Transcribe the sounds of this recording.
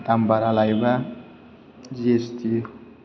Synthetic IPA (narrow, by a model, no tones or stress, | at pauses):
t̪ambaɾalajba | d͡ʒest̪i